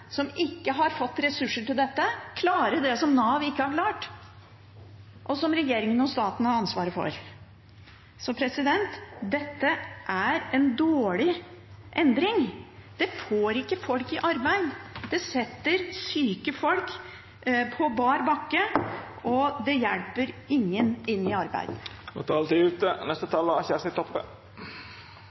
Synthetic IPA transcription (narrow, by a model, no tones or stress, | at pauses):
sɔmɪkːəɦɑɾfɔt̪ːɾɛsʉʂːəʈɪld̪ɛt̪ːəkʰlɑːɾəɖɛsɔmnɑːʋɪkːəhɑɾklɑːʈ | ʔɔsɔmɾɛjeːɾɪŋənɔst̪ɑːt̪n̩hɑɾɑnsʋɑːɾəfɔ̰ɾ | sɔmpʰɾɛsɪd̪ɛnt̪d̪ɛt̪ːəʔæɾɛnd̪oːɭɪʔɛnd̪ɾɪŋd̪̥ɛfoːɾɪkːəfɔlkɪʔɑɾbæɪd̪d̪̥ɛsɛt̪ːəɾsyːkəfɔlk | pʰɔbɑːɾbɑkːə | ɔd̪ɛjælpəɾɪŋːənɪnːɪɑɾbæ̰ɪd̪mo̰t̪ʰɑːlt̪iʉːt̪ənɛst̪ət̪ʰɑlːɑçæsɪt̪ʰɔpːə̰